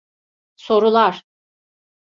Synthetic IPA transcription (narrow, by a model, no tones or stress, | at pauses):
so̞ɾulˠaɾ̥